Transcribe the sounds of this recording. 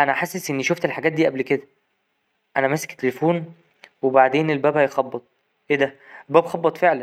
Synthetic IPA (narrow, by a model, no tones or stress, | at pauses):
ʔænæħasːesʔenːiʃoft̪elħaɡæːt̪̚d̪iːʔæblked̪æ | ʔænæmæse̥kt̪ːelfuːn | webaʕd̪eːnelbæːbhæjxɑbːɑt̪ˤ | ʔeːd̪æelbæːbxɑbːɑt̪ˤfeʕlæn